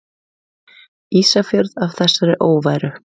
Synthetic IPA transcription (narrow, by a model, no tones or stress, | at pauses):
iːsafjœɾðav̥θɛsːaɾɪʔoːwvaːjɾʏ